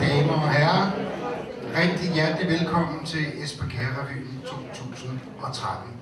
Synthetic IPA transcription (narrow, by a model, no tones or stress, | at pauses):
d̥ɛːməɒɦæɐ | ʁɛɡ̥̚d̥ijæɐd̥liʋelkʰɒ̽m̰n̩t͡sʰe̝lesb̥ækʰæʁɐʁḭit͡sʰo̝̰ːt͡sʰṵːsn̩ | ʔɒ̽t͡sʰʁad̥n̩